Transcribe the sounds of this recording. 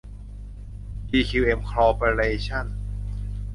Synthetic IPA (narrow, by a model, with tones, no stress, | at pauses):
ʔiː˧kʰi˧wʔe˧mkʰɾɔː˧pə˧le˧t͡ɕʰa˥˩n